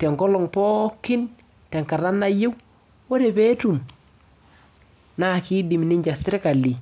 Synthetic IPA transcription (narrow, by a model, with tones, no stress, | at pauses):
tɛ˨ŋɡɔ˦lɔ˨ŋpɔ˦kɪ˦n | tɛ˨ŋka˨ɾa˦na˦je˦w | o˦ɾe˨pe˦tu˨m | na˦˨ki˦di˨mnɪ˦ɲd͡ʒa˨sɪ˦ɾka˨li˨